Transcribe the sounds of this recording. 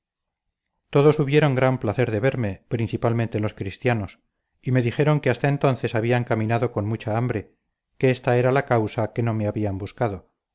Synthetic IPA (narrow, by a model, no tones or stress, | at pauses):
t̪o̞ðo̞suβje̞ɾo̞ŋɡɾamplaθe̞ɾðe̞βe̞ɾme̞pɾin̟θipalment̪e̞lo̞skɾist̪jano̞s | ime̞ðixe̞ɾo̞ŋkeast̪ae̞nt̪o̞nθe̞saβ̞iaeŋkamĩnaðo̞ko̞nmut͡ʃaambɾe̞ | keest̪ae̞ɾalakawsake̞no̞me̞aβiambuskaðo